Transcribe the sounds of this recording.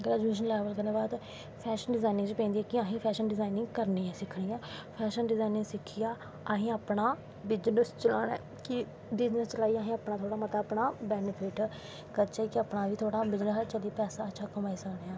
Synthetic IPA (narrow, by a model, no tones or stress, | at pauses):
ɡɾɛːd͡ʒmiːʃ̬ənlɛːʋəlkəɾneːbaːd̪ | pʰɛːʃənɖɪzaːnɪ̃ŋt͡ʃːpɛ̃ːnd̪iːɛːkɪaːɦĩːpʰɛːʃənɖɪzaːɪnɪ̃ŋɡkəɾniːãːsɪkʰɽiːãːpʰɛːʃənɖɪzaːinɪ̃ɡsɪkʰːijaː | aɦĩːaːpnaː | bɪd͡ʒnəst͡ʃəlaːnɛ̰ː | kɪ | bɪd͡ʒnəst͡ʃəlaːiːaːɦĩaːpnaːt̪ʰoːɽaːmət̪aːpnaːbɛːnɪpʰɪʈ | kət͡ʃaikɪapnaːʋiːt̪ʰoːɽaːbɪd͡ʒnəsɛːt͡ʃəliːpɛːsaːətːʃʰaːkəmaːiːsəkneːãː